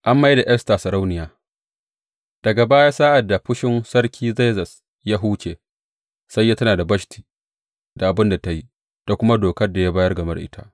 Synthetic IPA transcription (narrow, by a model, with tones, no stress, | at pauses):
ʔa˦mːa˦jda˨ʔɛ˦sta˨sɐ˨ɾa˦wnɪ˨jaː˨ | d̥ɐ˨ɡa˨baː˦jaː˦saː˦ʔa˨dːa˨ɸʊ˦ʃɪ˦nsɐ˦rkʲʰiː˦ze˦zɐ˨s | ja˦ɦuː˦t͡ʃeː˨ | sɐ˦jːa˦tɐ˦naː˨da˨bɐ˦ʃtʰi̥ː˨ | da˨ʔa˨bɪ˦nda˨ta˨ji˦ | d̥a˨kʷʊ˦ma˦doː˨kɐ˦rda˨ja˦baː˦jɐ˦rɡɐ˨mɐ̰˦rʔɪ̰˦tʰa̰˦ʔ